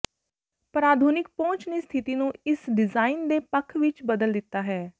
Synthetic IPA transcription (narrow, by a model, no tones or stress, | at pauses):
pɾaːd̪ʱuːnɪk̚põːt͡ʃneːst̪ʰɪt̪iːnũːɪsɖɪzaːiːnd̪eːpəkʰʋɪt͡ʃbəd̪əld̪ɪt̪ːaːɦɛː